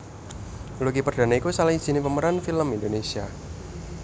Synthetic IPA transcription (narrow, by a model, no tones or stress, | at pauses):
lukipərd̥a̤naikusalai̥z̥i̤nipəməɾanfiləmind̪onesia